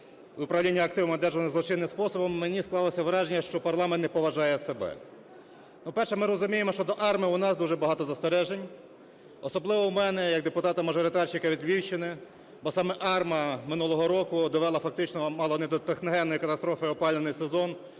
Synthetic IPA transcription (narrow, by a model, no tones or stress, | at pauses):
ʊpɾɐʋwlʲinʲːiɐkt̪ɪwmɐd̪ɛʒɔnɪzlˠɔt͡ʃɪnːɪmspɔsɔbɔmːenʲisklˠɑlˠɔsʲɐʋɾɑʒenʲːɐʃt͡ʃɔpɐrlˠɑmɛnt̪ːɛpɔʋɐʒɑjɛsebɛ̰ | nupɛrʃɛmɪɾɔzʊmʲijemɔʃt͡ʃɔd̪ɔʔɑrmɪʊnɑsd̪uʒɛbɐɦɑt̪ɔzɐst̪eɾɛʒenʲ | ɔsɔblˠɪʋɔwmɛnɛjɐk̚d̪epʊt̪ɑt̪ɐmɐʒɔɾɪt̪ɑrt͡ʃɪkɐʋʲid̪ʋʲiwt͡ʃɪnɪ | bɔsɑmɛʔɑrmɐmɪnulˠɔɦɔɾɔkʊd̪ɔʋɛlˠɐfɐk̚t̪ɪt͡ʃnɔmɑlˠɔned̪ɔt̪exnɔɦɛnːɔjikɐt̪ɐst̪ɾɔfɪɔpɑlʲnenɪjsezɔn